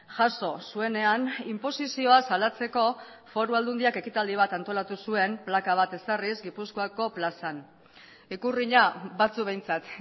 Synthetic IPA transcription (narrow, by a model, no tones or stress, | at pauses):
ʝaso̞sue̞ne̞animpo̞sisio̞asalat͡se̞ko̞ | fo̞ɾuald̪und̪iake̞kit̪ald̪iβ̞at̪ant̪o̞lat̪usue̞mplakaβat̪e̞sarizɡipusko̞ako̞plasan | ikuriɲaβat͡suβe̞jnt͡sat̪